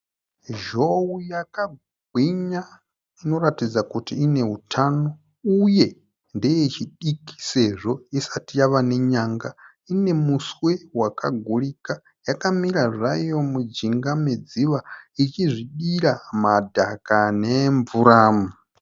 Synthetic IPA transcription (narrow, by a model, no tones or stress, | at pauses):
ʒowujaka | ɡʱwiɲa | ino̞ɾatid͡zakutiːneutʰano | uje | ndijet͡ʃʰiɗikʰi̥seʐoisatijaβaneɲaːŋɡa | inemuswewakaɡʱuɺika | jakamiɾaʐʷajomud͡ʒiŋɡamed͡ziβait͡ʃizʷiɗiɾamadʱakaneɱvuɾaːmu